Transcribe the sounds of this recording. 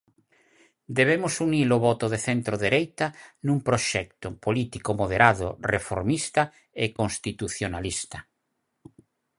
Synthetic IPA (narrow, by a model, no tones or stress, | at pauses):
d̪eβemosuniloβɔt̪oðeθent̪ɾoðeɾejt̪anũmpɾoʃɛk̚t̪opolit̪ikomoð̞eɾaðo̰refo̰ɾmist̪a | ekonst̪it̪uθjonalist̪a